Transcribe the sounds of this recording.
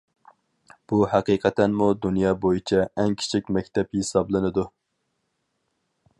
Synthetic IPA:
b̥uhæqiːqʰɛt̪ʰɛnmud̪unjɑːbojit͡ʃʰɛɛŋkʲʰi̥t͡ʃʰikʲmɛk̚ʲt̪ʰɛphesɑblˠɨnɨd̪u

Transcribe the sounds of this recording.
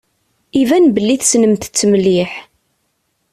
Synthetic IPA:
ivænbəlːiθsnəmt̪ə̥t͡sːmlːiħ

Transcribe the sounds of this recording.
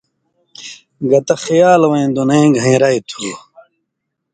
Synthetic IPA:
ɡɐt̪ɐxijaːlwɐĩd̪unej̃ɡʱɐ̃ĩɾajt̪ʰuː

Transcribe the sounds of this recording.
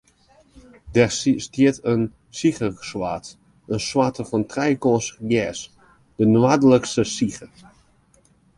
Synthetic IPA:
dɛrstiətən | sixəswaːt | ənswatəfɔntrɛjkɔnsəɡjɛːs | d̥ənwadələkstəsixə

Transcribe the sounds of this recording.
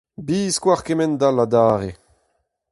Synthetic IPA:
biːskwaʁkemɛnd̪alad̪aːʁe

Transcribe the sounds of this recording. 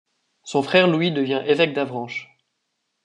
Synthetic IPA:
sɔ̃fχɛʁluid̪əvjɛ̃ʔevɛk̚d̪avʁɑ̃ʃ

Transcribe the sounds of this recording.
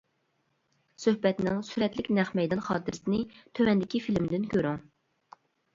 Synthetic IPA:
søhbɛt̪nɪŋsyɾɛt̪lɪkʲnɛχmɛjd̪ɑnχɑːt̪ɨɾsɪnɪt̪ʰøwɛnd̪ɪkʲifilmd̪ɪnkʲʰøɾyŋ

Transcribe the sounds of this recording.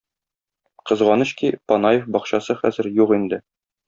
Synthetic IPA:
qɤ̆zʁɑnɤ̆ɕkipɒnɑjefbɒqɕɑsɤχæ̰zɘ̆ɾjuqind̪ɘ

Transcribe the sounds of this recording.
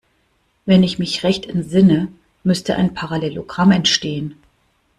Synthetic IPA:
vɛnɪçmɪçʁɛçtɛntz̥ɪnə | mʏstəʔa̰ɪnpʰaʁalɛloɡʁamɛntʃteːən

